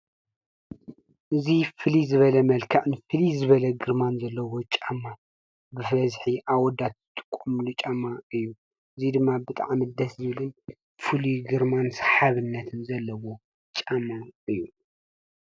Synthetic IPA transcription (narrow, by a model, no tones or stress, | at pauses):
ʔɨzifɨlizɨβɐlɐmɐlkʰaʔnɨfɨlizɨβɐlɐɡɨɾmanzɐlːɐwo̞t͡ʃʼamːa | bɨfɐzħiʔawɔd̪ad̪zɨt̪ʼɨ̥kʼːomlut͡ʃʼamːaɨjːu | ɨzid̪ɨmːabɨt̪ʼa̰ʕmid̪ɐszɨβɨlɨn | fɨliɡɨɾmansħaβɨnːɐt̪ʰɨnzɐlːɐwo̞ | t͡ʃʼamaɨjːu